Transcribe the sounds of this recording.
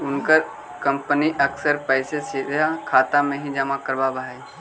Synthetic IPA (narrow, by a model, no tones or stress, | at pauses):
ʊnkəɾ | kə̃mpəniʔəksəɾpəɪsesid̪ʱjakʰaːt̪amẽɦĩd͡ʒamakəɾbaːbai